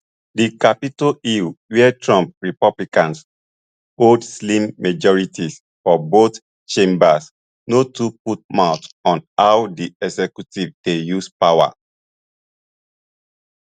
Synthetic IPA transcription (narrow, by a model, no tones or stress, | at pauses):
dikapitoiwɛɛtʰɹɔ̃mp̚ɹipɔblikãns | odslĩmːad͡ʒɔɹitis | fɔbot | t͡ʃẽmbas | notuput̚maʊtɔ̃nawdiɛɡsɛkjutivd̥ejuspawa̰